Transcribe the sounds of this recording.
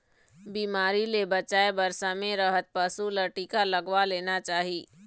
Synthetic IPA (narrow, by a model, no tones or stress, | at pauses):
biːmaːɾilebət͡ʃaːebəɾsamẽɾəɦət̪̚pəsuləɾʈiːkaləɡʋaleːnat͡ʃaːɦiː